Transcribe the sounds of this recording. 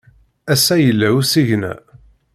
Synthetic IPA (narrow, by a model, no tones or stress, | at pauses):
æsæjəlːæusiʝnæ̰